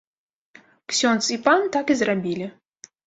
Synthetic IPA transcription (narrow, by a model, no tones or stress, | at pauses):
ksʲɔnt̪sipant̪akizrabʲilʲi